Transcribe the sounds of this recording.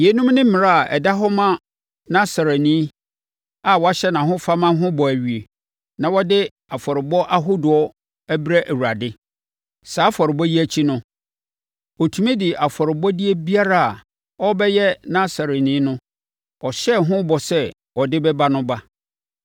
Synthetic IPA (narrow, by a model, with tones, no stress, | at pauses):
je˨˦nũ˦mnɪ̃˦mɪ̃˨ɾa˦a˨ʔɛ̰˨da˦ɦɔ˦mã˦ | nã˦sa˨ɾe˨nĩ˦ | a˨wɔ˨˦a˦ɕɛ˦nã˨ɦʊ̃˦fa˦mã˦ɦʊ̃˦bɔ˨æ˨ɥi˨e˨ | nã˨wɔ˦dɪ˦ | a˨fɔ˨ɾɪ˨bɔ˦ʔa˦ɦo˦dʊ˨ɔ˦ | æ˦bi˦ɾæ˦ʔæ˨wu˨a˨dɪ˦ | saː˨˦fɔ˨ɾɪ˨bɔ˦ji˦æ˨t͡ɕʰi˦nʊ̃˦ | ɔ˨tʰu˨˦mĩ˦dɪ˨ʔa˨fɔ˨ɾɪ˨bɔ˦dɪ˦e˦bi˦a˦ɾa˦˨a˨ | ɔ˦bɛ˦jɛ˦nã˦sa˨ɾe˨nĩː˦nʊ̃˦ | ɔ˨ɕɛ˦ɦʊ̃˦bɔ˨sɛ˦ | ɔ˨dɪ˦bɛ˦ba˦nʊ̃˦ba˦